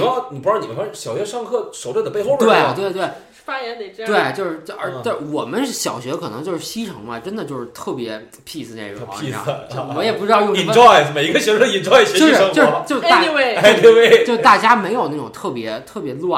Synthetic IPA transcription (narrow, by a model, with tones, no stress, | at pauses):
ni˨˩pu˥ɻɑ˥˩ni˨˩˧ɕjɑ˨˩ʊɕɥɛ˧˥ʂɑ˥˧ŋkʰɤ˥˩ʂo˧˥ʈ͡ʂd̪ə˩pe˥˧xo˥˧˩t̪we˥˩ɪ˩t̪we˥˧ɪt̪we˥˩ | fa˥jɛ˧˥nd̪t̪we˥˩t͡ɕjo˥˧ʂɻ̩˥˧˥ə˞˧˥t̪a˥˩wɔ˨˩mə˦nɕjɑ˨˩ʊɕɥɛ˧˥kʰɤ˨˩nɤ̰˧˥ŋt͡ɕjo˥˧ʊʂɻ̩˥˩ɕi˥ʈ͡ʂʰɤ˧˥ŋbɐ˧ʈ͡ʂə˥nd̪ə˨t͡ɕjo˥˧ʊʂɻ̩˥˧t̪ʰɤ˥˩pjɛ˧˥ | pʰi˥˧˩sɹ̩˧ne˥˩ʈ͡ʂʊ˧˩˥ḭ˧˥˩wɔ˧˥jɛ˨˩pu˧˥ʈ͡ʂɻ̩˥t̪ɑ˥˧ʊjʊ˥˧ŋi˨˩n˧ɔ˥˩ɪsme˨˩ɪi˧˥ɡə˧ɕɥɛ˧˥˩i˨˩nʈ͡ʂɔ˥˩ɪɕɛ˥t͡ɕo˥˧˥ʂə˧˥ŋjo˥ɔʊ˧˥t͡ɕjo˥˧ʊ˥˧e˥˩e˥t̪we˥˧ɪwe˥˩ɪt͡ɕo˥˧ʊt̪a˥˩t͡ɕja˥me˧˥ɪjo˨˩ʊna˥˩ʈ͡ʂʊ˨˩ŋt̪ʰɤ˥˩pjɛ˧˥t̪ʰɤ˥˩pjɛ˧˥lwa˥˩